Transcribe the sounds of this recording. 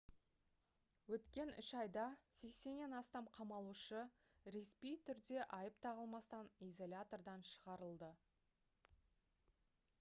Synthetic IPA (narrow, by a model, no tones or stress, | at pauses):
wɵt̪kʲe̞nʏʃɑjd̪ɑse̞kse̞nːenɑst̪ɑmqʰɑmɑlˠuʃə | ɾespijt̪ʰʏɾd̪e̞ʔɑjəpt̪ʰɑʁəlˠmɑst̪ɑnijzo̞lʲat̪o̞rd̪ɑnʃəʁɑɾəlˠd̪ə